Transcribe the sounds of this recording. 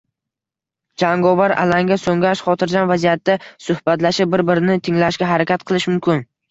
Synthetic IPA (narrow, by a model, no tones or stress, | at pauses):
d͡ʒaŋɡɒvaɾa̰laŋɡʲasoŋʲaʃχɒt̪ʰɪɾd͡ʒanvazijat̪ːasʊhbat̪laʃɪp̚bɪɾbɪɾɪnɪt̪ʰɪŋlaʃɡʲaɦaɾakʲat̪̚qʰɨlˠɪʃmʊmkʲɪn